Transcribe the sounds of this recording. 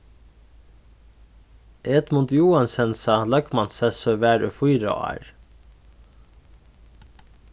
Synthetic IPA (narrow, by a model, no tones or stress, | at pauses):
ʔeːt̪mʊt̪juːɑnsɛnsɑːlœkmɑnsɛsœʋæːɾʉ̰fujɾɑ̰ɑ̰ɹ